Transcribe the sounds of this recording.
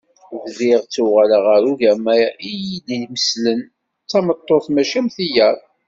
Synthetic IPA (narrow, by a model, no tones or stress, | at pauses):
ððɪʁt͡sːuʁaləʁəɾuʝæmæjʔijid̪iməslən | t͡sːɑmət̪ˤːoθmæʃæmθijæɾˤ